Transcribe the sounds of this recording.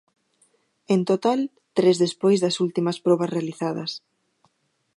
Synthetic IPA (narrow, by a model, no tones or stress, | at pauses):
ent̪ot̪al | t̪ɾezðespojzðɐsult̪imɐspɾɔβ̞ɐsrealiθaðɐ̰s